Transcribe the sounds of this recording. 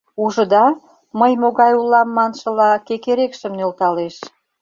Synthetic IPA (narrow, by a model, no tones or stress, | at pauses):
uʒə̆d̪ɑ | məjmoɣɑjulɑmːɑnʃə̆lɑkekeɾekʃəmnølt̪ɑleʃ